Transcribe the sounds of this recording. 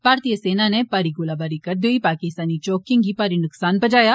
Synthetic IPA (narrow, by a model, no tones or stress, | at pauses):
b̥ʱaːɾt̪ijəseːnanepaːɾiɡʊlabaɾikɐɾd̪oipaːkɪst̪aːnit͡ʃɔːkɪ̃ŋɡipaːɾinʊksaːnbɐd͡ʒaːja